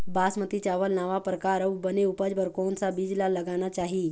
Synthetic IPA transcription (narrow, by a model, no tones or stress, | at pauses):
baːsmət̪it͡ʃaːʋəlnaːʋapɾəkaːɾəwbəneupəd͡ʒbəɾkɔːnsabiːd͡ʒlalɐɡanat͡ʃaːɦi